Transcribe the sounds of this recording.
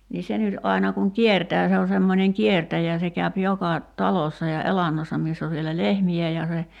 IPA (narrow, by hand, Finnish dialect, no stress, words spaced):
niː se nyt ʔɑi̞nɑ kuŋ kiertæː se o semːonʲeŋ kiertæjæ se kæyp jokɑ tɑlosːɑ jɑ elɑnːosːɑ miːsː oʋ ʋielæ lehmiæ jɑ se